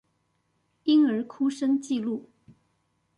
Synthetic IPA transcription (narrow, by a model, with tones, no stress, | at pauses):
i˥ŋə˞˧˥kʰu˥ʂə˥ŋt͡ɕi˥˧lu˥˩